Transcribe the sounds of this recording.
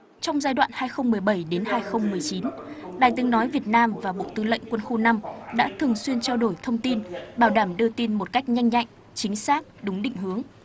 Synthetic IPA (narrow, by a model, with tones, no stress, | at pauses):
t͡ɕɔ˧wŋ͡mzaː˧jɗwa̰ː˧˨nhaː˧jxə˧wŋ͡mmɨ˨˩əjɓə˧˩jɗe˨˦nhaː˧jxə˧wŋ͡mmɨ˨˩əjt͡ɕi˨˦nɗaː˨˩jt̪ɨ˨˦ŋnɔ˨˦jvi˨˩ət̚naː˧mvaː˨˩ɓo̰˧˨t̪ɨ˨˦lə̰˧˨ŋkwə˧nxo˧na˧mɗa̰ː˧˥t̪ʰɨ˨˩əŋswi˧ənt͡ɕaː˧wɗo˧˩jt̪ʰə˧wŋ͡mt̪i˧nɓaː˧˩wɗaː˧˩mɗɨ˧t̪i˧nmo˨˩t̚ka˦˥jk̟̚ɲa˧jŋ̟ɲa̰˧˨jŋ̟ | t͡ɕï˨˦ŋ̟saː˦˥k̚ɗʊ˨˦ŋ͡mɗḭ̈˧˨ŋ̟ɦɨ˨˦əŋ